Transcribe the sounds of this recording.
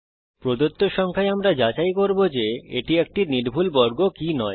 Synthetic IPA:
pɾod̪ot̪ːoʃɔŋkʰaeamɾad͡ʑat͡ɕajkoɾbod͡ʑeeʈiek̚ʈiniɾbʱulbɔɾɡokinɔe

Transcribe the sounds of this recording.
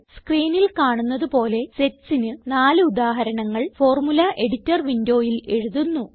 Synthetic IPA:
skriːnilkaːɳunːɐðupo̞ːle̞setsinɨnaːlɨud̪aːɦɐɾɐɳɐŋːɐɭfo̞ːrmulɐʔe̞ɽitːɐrʋindo̞ːjile̞ɻuðunːu

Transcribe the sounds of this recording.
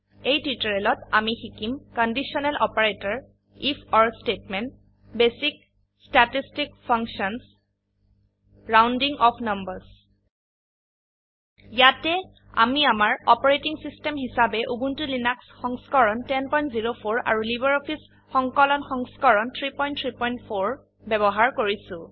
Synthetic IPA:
ejtitɔɹɛlɔtamixikimkɔndisɔnɛlʔɔpaɹetɔɹ | ipʰɔɹstetmɛnt | besik̚ | statistikpʰɔŋksɔns | ɹawndiŋɔpʰnʌmbəɹs | jatɛ | a̰miamaɹɔpɔɹetiŋsistɛmɦisabɛʔubuntulinaksxɔŋskɔɹɔntɛnpɔj̃ntziɹopʰoɹa̰ɹulibɛɹɔpʰis | xɔŋkɔlɔnxɔŋskɔɹɔntʰɹipɔj̃ntʰɹipɔjntpʰoɹ | bɛbɔɦaɹkoɹisʊ̃

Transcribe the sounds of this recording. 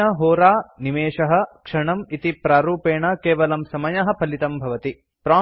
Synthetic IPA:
ɐɦoːɾaːnimeːʂɐɦɐ̆kʂɐɳɐmit̪ipɾaːɾuːpeːɳɐkeːʋɐlɐmsɐmɐjɐɦɐ̆pʰɐlit̪ɐmbʱɐʋɐt̪i | pɾaː

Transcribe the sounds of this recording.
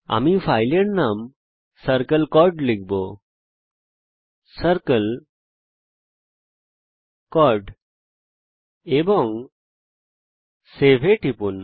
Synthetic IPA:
a̰mifʰajleɳnam | səɾkəlkɔɾɖliɡbo | səɾkəl | kɔɾɖ | ebɔŋ | sebʱeʈʰipun

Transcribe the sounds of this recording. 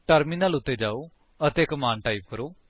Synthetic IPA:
ʈəɾmiːnaːlʊt̪ːeːd͡ʒaːoː | ət̪eːkəmaːnʈaːiːp̚kəɾoː

